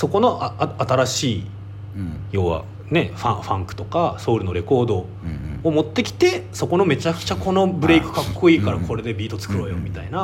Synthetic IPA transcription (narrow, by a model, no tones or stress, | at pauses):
so̞ko̞no̞ʔaaat̪aɾaɕiː | jo̞ːβa̰ | ne̞ɸã̰ɸã̰ŋkɯ̟̥t̪o̞kaso̞ːɾɯno̞ɾe̞ko̞ːd̪o̞ː | mo̞t̪ːe̞kʲi̥t̪e̞so̞ko̞no̞me̞t͡ɕakɯ̥t͡ɕako̞no̞bɯ̟ɾe̞ikɯ̟̥kakːo̞iːkaɾakʰo̞ɾe̞d̪e̞bʲiːt̪o̞t͡sɨ̥kɯ̟ɾo̞ːjo̞mʲit̪aina